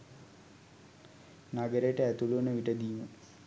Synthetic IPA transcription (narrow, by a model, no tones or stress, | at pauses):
naɡəɾejəʈəæt̪uluːnəʋiʈəd̪iːmə